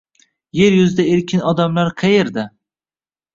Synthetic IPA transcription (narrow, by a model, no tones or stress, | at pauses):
je̞ɾjʊzɪd̪ae̞ɾkʲʰɪnɒd̪amlaɾqʰɑjeɾd̪a